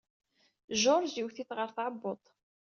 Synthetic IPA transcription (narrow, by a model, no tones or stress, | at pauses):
ʒoɾˤziwθiθʁəɾθʕəbːot̪ˤ